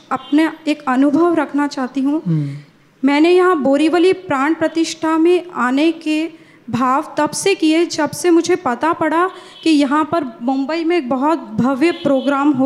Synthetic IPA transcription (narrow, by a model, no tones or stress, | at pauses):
ɐpneeːkɐnʊbʱəʋɾɐkʰnat͡ʃaːɦt̪iɦũ | mɛ̃ːnejɐɦãboːɾiʋəlipɾãːɳ̃pɾɐt̪ɪʃʈʰamẽaːneke | bʱaːʋt̪ɐbsekied͡ʒɐbsemʊd͡ʒʱepɐt̪apɐɽa | kijɐɦãpɐɾmʊ̃mbəimẽeːk̚bɐɦɔt̪bʱɐʋjəpɾoːɡɾaːmɦo